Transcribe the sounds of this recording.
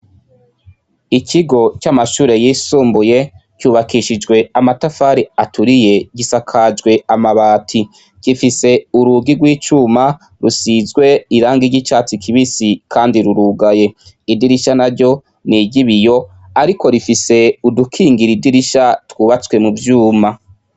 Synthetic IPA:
ikʰiɡo̞t͡ʃamaʃuːɾe̞jiːsuːmbuje̞cuːβakiʃid͡ʒɡwe̞amatafaːɾiatuɾije̞ɟisakʰad͡ʒɡwe̞amaβaːtʰi | kifise̞uɾuɡiɡwiːt͡ʃuma | ɾusizwe̞iɾaːŋɡiɾɟit͡ʃaːt͡sikʰiβisikʰaːndiɾuɾuɡaje̞ | idiɾiʃanaɾɟo̞ | niɟiβijo̞ | aɾiko̞ɾifise̞udukʰiːŋɡiɾidiɾiʃatwuːβat͡swe̞muvjuːma

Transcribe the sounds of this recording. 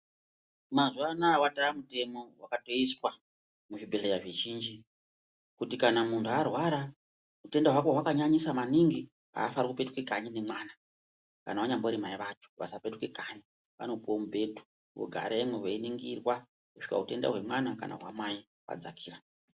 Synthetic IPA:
mazuanawataramute̞mo̞wakato̞iswa | muʐibʱe̞ɮejaʐeʒiːnd͡ʒi | kutikanamuntʰuarwaɾa | ute̞ndaɦwakwaɦwakaɲaɲisamaniŋɡi | a̰ːfaɾakupetukekaɲinemwaːna | ka̰nawaɲamboɾimaiʋat͡ʃo̥ʋa̰sapetuke̞kaɲi | ʋa̰nopomubʱe̞tu̥ | wo̰ɡʱa̰ɾʔaemweweiniŋɡirwa | kuʃika̰ɦute̞nda̰ɦwe̞mwanaka̰na̰ɦwamai | wa̰d͡zakʰiːra

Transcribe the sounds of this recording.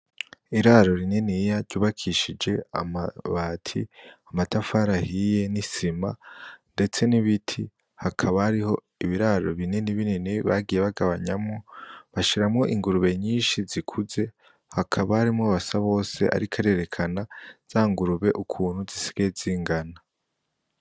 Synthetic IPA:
iɾaɾo̞ɾininijaɾɟuːβakʰiʃid͡ʒe̞a̰maβatʰiamatafaːɾahije̞nisimande̞t͡se̞niβitʰi | hakʰaβaːɾiho̞ | iβiɾaɾo̞̰βininiβininiβaɡije̞βaɡaβaɲamŋoβaʃiɾamŋo̞ʔiŋɡuɾuβe̞ɲiːnʃizikʰuze̞ | hakʰaβaːɾimŋoβasaβo̞ːse̞̰ʔa̰ɾikʰaɾe̞ɾe̞kʰanaz̥aːŋɡuɾuβe̞ʔukʰuːnhuzisi̥ɡ̥eziːŋɡana

